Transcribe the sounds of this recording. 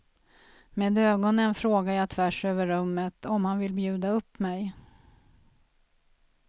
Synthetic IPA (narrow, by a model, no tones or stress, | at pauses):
meːd̪øːɡɔnənfɾoːɡajat̪ʰvæʂøːvəɾːɵmːət̪ʰɔmhanvɪlbjʉ̟ːd̪aɵpːmɛj